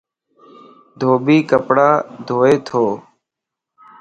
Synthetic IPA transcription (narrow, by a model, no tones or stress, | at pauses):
d̪ʱoːbiːkəpɽaːd̪ʱoːeːt̪ʰoː